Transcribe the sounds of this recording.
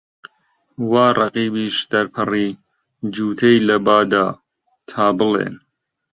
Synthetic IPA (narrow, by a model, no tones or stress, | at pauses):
waːrʔɑqiːbiːʃd̪ɐɾpʰɨriː | d͡ʒuːt̪ʰejlɐbaːd̪aː | t̪ʰaːbɨlḛːn